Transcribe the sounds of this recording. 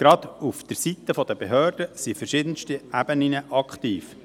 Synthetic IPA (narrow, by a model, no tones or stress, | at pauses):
ɡ̥ɾɑd̪ufd̥̪əɾsit̪ːəfɔd̪əbeɦøːɾd̥əsifərʃɪd̪ənstiʔæb̥əninəʔɑkχt̪iːf